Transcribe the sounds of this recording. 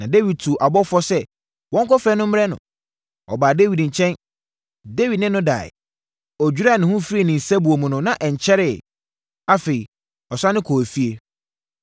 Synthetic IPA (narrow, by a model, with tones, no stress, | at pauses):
nã˨de˦wi˨d̚tʰu˨ʔa˨bɔ˦fɔ˦sɛ˦ | wɔ̃˦ŋkɔ˦fɾɛ˦nʊ̃˦m̩˦ɛ˦nʊ̰̃˨ | ɔ̰˨baː˨de˦wi˨dɲ̩˨t͡ɕʰɛ̃˦n | de˦wi˨dnɪ̃˦nʊ̃˦da̰˨ɪ̰˨ | ɔ˨d͡ʑᶣu˨˦ɾa˦˨nɪ̃˨hʊ̃˦fi˦˨nɪ̃˨n̩˨sa˦bu˨o˨mũ˨nʊ̃˨nã˨ʔɛ˨ɲ˨t͡ɕʰɛ˦ɾɪ˦˨ | a˦fe˨i˨ | ɔ˨sã˦nɪ̃˦kʰo˨fi˦e˦